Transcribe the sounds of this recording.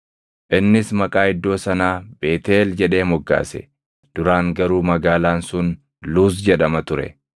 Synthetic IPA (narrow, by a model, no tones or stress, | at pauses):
ʔɪnːɪsmɐkʼaːɪd̪ːo̞ːsɐnaːb̥e̞ːt̪eːld͡ʒɛᶑe̞ːmɔɡːa̰ːsɛ̰ | d̪̥ʊɾaːŋɡɐɾuːmɐɡaːlaːnsʊn | luːs̬d͡ʒɛᶑɐmɐt̪ʊɾɛ̰